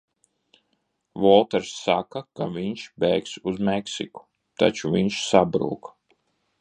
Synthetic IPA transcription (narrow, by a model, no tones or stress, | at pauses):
vɔlˠt̪ɛɾsːakakaviɲʃbɛjksuzmɛksḭku̥ | t̪a̰t͡ʃuviɲʃsabɾṵːk